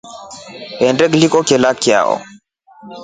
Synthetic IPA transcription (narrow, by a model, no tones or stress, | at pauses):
ɛndɛklikɔkɛlakja̰ʔɔ̰